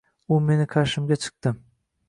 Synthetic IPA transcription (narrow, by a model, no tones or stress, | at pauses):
ʊme̞nɪkʰaʃɪmɡʲat͡ʃʰɨ̥q̚t̪ɪ